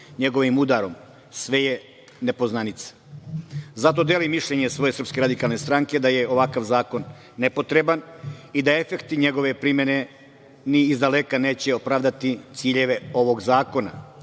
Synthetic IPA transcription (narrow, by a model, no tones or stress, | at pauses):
ɲe̞ɡo̞ʋimud̪aɾo̞m | sʋe̞je | ne̞po̞znanit̪sḁ | zat̪o̞d̪e̞limːiʃʎe̞ɲesʋo̞je̞sr̩pske̞ɾad̪ikalˠne̞st̪ɾaŋke̞d̪aje̞o̞ʋakaʋzaːko̞nː | epo̞t̪ɾe̞banid̪ae̞fe̞kt̪iɲe̞ɡo̞ʋe̞pɾimje̞ne̞ | niːzd̪alekane̞ːt͡ɕeopɾaːʋd̪at̪it̪siːʎe̞ʋe̞o̞ʋo̞ɡzaːko̞na̰